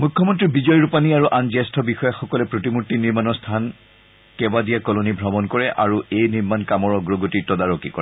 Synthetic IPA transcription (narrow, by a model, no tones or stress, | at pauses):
mukʰːɔmɔntɹibizɔjɹupaniaɹuʔanzɛstʰɔbixɔjaxɔkɔlɛpɹotimutːiniɹmanɔɹstʰan | kɛbadijakɔlonibʱɹɔbɔnkɔɹɛʔaɹuejniɹmankamɔɹɔɡɹoɡotitɔdaɹɔkikɔ̰ɹɛ